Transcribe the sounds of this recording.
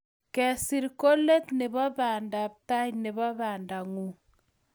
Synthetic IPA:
kɛ˨si˦ɾko˦lɛ˦tne˨βa˦βaː˨nda˨p̚ta˦jne˨βa˦βa˨nda˨ŋu˨

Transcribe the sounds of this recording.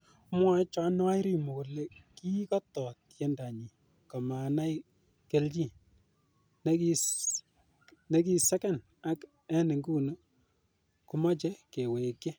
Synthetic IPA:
mwa˦t͡ʃa˨˦n˦a˦jɾi˨mo˨le˨ki˦kɔ˦tɔ˨tje˦nda˨ɲi˨ | kɔ˨ma˨na˦j | ke˨˦lt͡ʃi˦ | n˦ki˦ | nɛ˦ki˦sɛ˦kɛ˦n | a˦k | ɛ˦nɪ˨ŋɡu˦no˦ | ku˨mɔ˦t͡ʃɛ˦ke˨we˨kɛ˦

